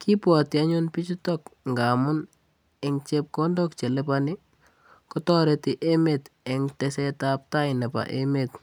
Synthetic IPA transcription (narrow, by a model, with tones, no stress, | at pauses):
ki˦pwa˨tɪ˨a˦ɲo˦npi˦t͡ʃi˦tɔkŋɡa˨mʊ˦n | ɪ˨ŋt͡ʃep̚kɔ˦ndɔk̚t͡ʃe˨lɛpani˦ | kɔ˦tɔ˦ɾɛtɪ˨ʔe˦metɛ˨ŋtɛ˨sɛ˦ta˦p̚ta˦ɪnɛ˨pa̰˨ʔḛme˨t